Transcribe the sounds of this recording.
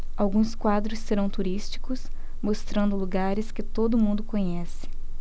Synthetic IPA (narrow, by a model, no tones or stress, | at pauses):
awɡũskwad̪ɾʊsːeɾɐ̃w̃t̪uɾist͡ʃi̥kʊs | most̪ɾɐ̃nd̪ʊluɡaɾɪskɪt̪od̪ʊmũnd̪ʊkõɲɛsɪ̥